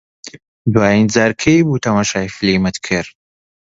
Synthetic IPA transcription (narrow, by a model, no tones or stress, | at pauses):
d̪waːjind͡zaːɾkʰejbuːt̪ʰɐmaːʃaːjfliːmɐt̪kʰɨɾ